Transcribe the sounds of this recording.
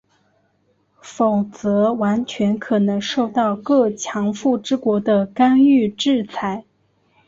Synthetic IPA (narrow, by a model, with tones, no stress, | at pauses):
fo˨˩ʊt͡sɤ˧˥wa˧˥nt͡ɕʰɥɛ˧˥nkʰɤ˨˩nɤ˧˥ŋʂo˥˧ʊt̪ɑ˥˩˧ʊkɤ˥˩t͡ɕʰjɑ˧˥ŋfu˥˩ʈ͡ʂɻ̩˥kwɔ˧˥d̪ə˧ka˥ny˥˧ʈ͡ʂɻ̩˥˩t͡sʰa˧˥ɪ